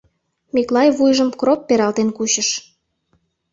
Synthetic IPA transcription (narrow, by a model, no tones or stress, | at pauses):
miklɑjβujʒəmkropːeɾɑlt̪enkuɕəʃ